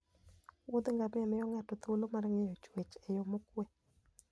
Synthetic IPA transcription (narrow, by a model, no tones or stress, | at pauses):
wʊd̪ŋɡamɪɛmɛjɔŋatɔt̪olomarŋejɔt͡ʃwet͡ʃɛjɔmokwɛ